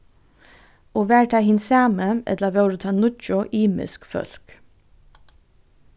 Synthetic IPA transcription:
oːʋæːɹʈʰɑːhɪnsɑːməʔɛ̰t̪ləʋɛɾut̪ʰɑːnʊt͡ʃɔʔiːmɪ̰skfœ̰lk

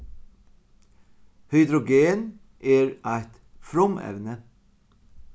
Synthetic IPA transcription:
hœʏd̪ɾʊɡeːn | ʔeːɹʔæɪt̪ | fɾʊmɛ̰ʋnə

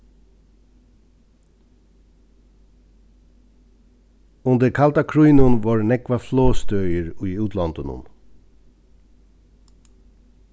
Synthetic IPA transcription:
ʊnd̪əɾkʰalt̪akʰɾujnʊnʋɑːɹnɛkʋafloːst̪œʏəɹʉːʉːt̪ʰlɔnt̪ənʊ̰n

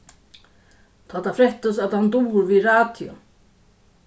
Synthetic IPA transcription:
t̪ʰat̪ːafɾɛht̪asaðhant̪uːʏɾviðraːt̪jɔ̰

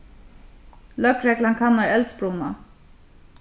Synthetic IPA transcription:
lœkɾɛklaŋkʰanːaɹɛlsbɹuna

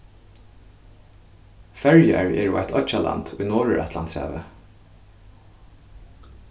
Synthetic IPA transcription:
fɛɹjəɹeːɹoːæɪt̪ʰɔc͡çɑlʔɑ̰nd̪̥ʉːnoːɹəɹʔɛt̪ʰlɑnt̪sæ̰ːʋə

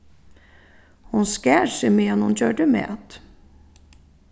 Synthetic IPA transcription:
hʊnskæːʂɛmeɛnhʊnçøːɖəmḛːʔɑt̪

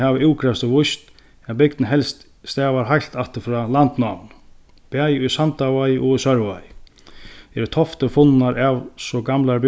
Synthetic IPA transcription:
havɪɪwkʰɾɛst̪ɪvʊjst̪ | ɛnbɪknɪɦɛlst̪ | st̪ɛːvaɾɦajl̥t̪aht̪ɪɾfɾaːlant̪namn | pajʊðsant̪avajʔɔɣʏsœɾva̰j | ɛɾɪt̪ʰɔft̪əɾfʊnnaɾavsɔɡamlaɾb

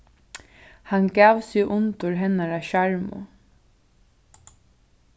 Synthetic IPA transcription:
hanɡaːʋsɪʊnt̪ʊɾɦɛnaɾaʃaɹmʊ̰

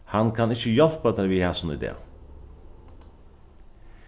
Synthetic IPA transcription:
hɑnkʰɑnɪçəjɔlpɑt̪æɾʋiːhɑːsɔnɪd̪ḛː

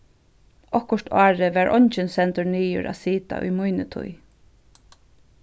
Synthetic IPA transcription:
ɔhkʊʂt̪ʰaːɹɪʋæɹʔɔɲt͡ʃɪnsɛnt̪ʊɹniːjʊ̰ɹʔa̰siːt̪a̰ʔʊ̰jmujnɪt̪ʰʊ̰j

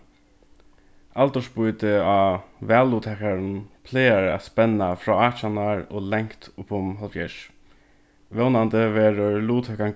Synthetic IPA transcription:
alt̪ɔʂbʊjt̪ɪaːʋɛːlːuːt̪hɛkaɾnpʰleːaɹat̪spɛnːafɾɔːaːt͡ʃanaɹo̰ːlɛŋkt̪ʊpʊmɦɔlfjɛʃ | ʋɛwnant̪əʋɛːɾəɹluːt̪ʰhɛka

